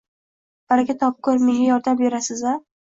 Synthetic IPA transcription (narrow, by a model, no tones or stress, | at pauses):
b̥aɾaɡʲat̪ʰɒp̚kʰɵɾmɪjajɒɾd̪ambeɾasɪza